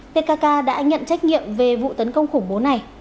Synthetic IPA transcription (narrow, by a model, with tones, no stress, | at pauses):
p̪e˧kaː˧kaː˧ɗa̰ː˧˥ɲə̰˧˨nt͡ɕa˦˥k̟̚ŋḭ˧˨əmve˨˩vṵ˧˨t̪ə˨˦nkə˧wŋ͡mxʊ˧˩ŋ͡mɓo˨˦na˨˩j